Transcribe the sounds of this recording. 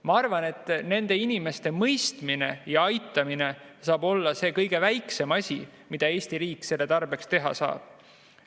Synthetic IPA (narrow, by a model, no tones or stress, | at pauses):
mɑɑrvɑne̞t̪ːˑne̞nd̪̥e̞inime̞st̪e̞mɤ̞jst̪mine̞jɑɑjt̪ːˑɑmine̞sɑːb̥o̞lːɑse̞ːkɤjɡ̥e̞væjkse̞mɑsʲi | mid̪̥ɑe̞ːsʲt̪iɾiːkːse̞lːe̞t̪ɑrb̥e̞kst̪e̞ɦɑ̰sɑ̰ːb̥̚